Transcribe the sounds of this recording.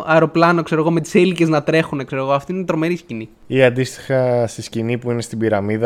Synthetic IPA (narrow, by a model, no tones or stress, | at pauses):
ɐeɾo̞plɐno̞kse̞ɾo̞ɣo̞me̞t̪i̥selice̞znɐt̪ɾe̞xunekseɾo̞ɣo̞ɐft̪oinet̪ɾo̞me̞ɾiscini | iɐnd̪ist̪i̥xɐst̪iscinipuine̞st̪ibiɾɐmiðɐ